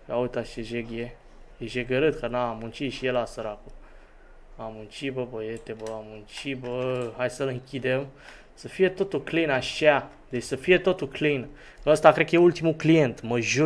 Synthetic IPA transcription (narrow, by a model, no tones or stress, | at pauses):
aut̪at͡ʃeʒeɡje | jeʒeɡəɾɨt̪kənaːmunt͡ʃiʃijelasəɾaku | amunt͡ʃibəbəjet̪ebəamunt͡ʃibəhajsəlɨŋkʲid̪em | səfije̞t̪ot̪ulklinaʃa | d̪et͡ʃʲsəfije̞t̪ot̪ulklin | kəəst̪akɾekəjeult̪imuklijent̪məʒu